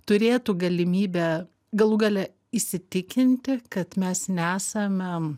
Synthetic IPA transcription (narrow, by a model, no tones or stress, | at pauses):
t̪ʊɾʲeːt̪uɡɐlʲɪmʲiːbʲɛ | ɡɐlˠuːɡɐlʲɛ | ɪsʲɪt̪ʲɪkʲɪnʲt̪ʲɪkɐt̪mʲɛsnʲæːsɐmʲɛ